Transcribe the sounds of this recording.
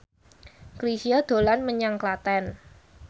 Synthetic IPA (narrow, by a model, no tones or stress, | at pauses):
kɾisiad̪̥o̤lanməɲaŋklat̪ɛn